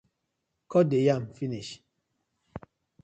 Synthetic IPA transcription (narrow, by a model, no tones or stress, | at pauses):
kɔdejamfiniʃ